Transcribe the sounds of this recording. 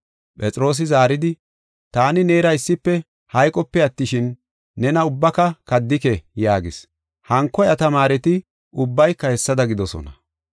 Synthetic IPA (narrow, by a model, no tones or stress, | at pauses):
pʼɛt͡sʼɪɾo̞ːs̬ɪzaːɾɪd̪ɪ | t̪aːnɪne̞ːɾɐɪsːɪpːɛ | hɐjkʼɔpːɛɐt̪ːɪʃɪnː | ɛnɐʊbːɐkɐkɐd̪ːɪkɛjaːɡɪs | hɐŋkːɔjɐt̪ɐmaːɾɛt̪ɪ | ʊbːɐjkːɐhɛsːɐd̪ɐɡɪd̪ɔsɔ̰nɐ